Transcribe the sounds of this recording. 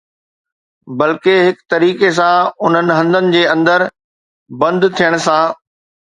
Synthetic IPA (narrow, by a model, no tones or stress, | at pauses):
bɐlkeɦɪkt̪ɐɾiːkes̬ãʊn̤ənɪ̆ɦɐ̃nd̪ənɪ̆d͡ʑeːɐ̃nd̪əɾ | bɐ̃nd̪t̪ʰijəɽ̃sã